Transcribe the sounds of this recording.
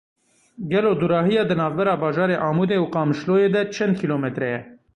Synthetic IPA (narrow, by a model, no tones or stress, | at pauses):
ɡɛloːd̪uɾɑːɦijɑːd̪ɨnɑːvbɛɾɑːbɑːʒɑːɾeːʔɑːmuːd̪eːuqɑːmɨʃloːjeːd̪ɛt͡ʃʰɛnd̪̚kʰiloːmɛt̪ɾɛjɛ